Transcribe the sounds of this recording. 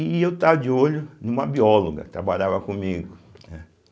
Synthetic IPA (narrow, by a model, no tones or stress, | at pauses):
ɪewt̪avɐd͡ʒɪoʎʊnũmɐbiɔloɡɐ̰t̪ɾabaʎavɐkõmiɡʊnɛ